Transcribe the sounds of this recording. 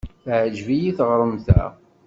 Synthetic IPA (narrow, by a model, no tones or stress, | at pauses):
θʕəd͡ʒvijiθʁɾˤəmθæ̰